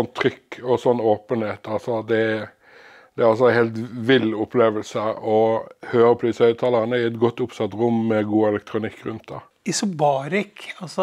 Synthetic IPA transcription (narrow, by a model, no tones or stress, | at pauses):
ɔnt̪ʰːɾʏkːɔsɔnːoːpənheːt̪ʰɑlsɔd̪ɛ | d̪ɛɾɑls̬ɔænheːlt̪ʋɪlːʊpʰleːʋəlsəɔhøːɾəpʰɔd̪isœʏt̪ʰɑːlɑʁnəɪɛt̪ɡɔt̪ːʊpsɑt̪ɾʊmːɛɡuːɛlɛkt̪ʰɾʊnɪkːɾʉnt̪̚d̪ɑ | ɪsʊbɑːɾɪkɑsɔ